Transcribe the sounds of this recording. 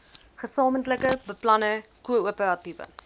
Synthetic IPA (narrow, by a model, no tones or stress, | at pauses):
χəsɑːməntləkəbəplɐnəkuəuəpəɾɐtivə̰